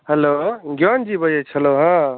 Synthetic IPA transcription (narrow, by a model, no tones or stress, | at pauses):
ɦeloɡjɔnd͡ʒibəjet͡ʃʰəloɦã